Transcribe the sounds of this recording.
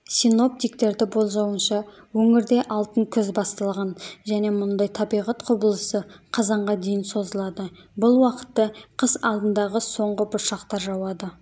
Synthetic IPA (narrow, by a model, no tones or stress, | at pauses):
sijno̞p̚t̪ijkt̪e̞ɾd̪ɪbo̞lˠʒɑwənʃɑ | wɵŋɪɾd̪e̞ʔɑlˠt̪əŋkʲʰʏzbɑst̪ɑlˠʁɑnʒæne̞mʊnd̪ɑjt̪ʰɑbijʁɑt̪qʰʊbəlˠəsəqʰɑzɑɴʁɑd̪e̞jɪnso̞zəlˠɑd̪əbʊlˠwɑqə̥t̪ːɑqʰəzɑ̰lˠd̪ənd̪ɑʁəso̞ɴʁəbʊɾʃɑqt̪ɑɾʒɑwɑd̪ə